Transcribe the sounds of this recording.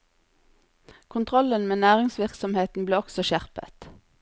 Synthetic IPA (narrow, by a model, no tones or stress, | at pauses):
kʰʊnt̪ʰʁɔlənmeːnæːʁɪŋsʋɪʁksɔmheːt̪n̩bleːɔksɔʃæʁpə̰t̪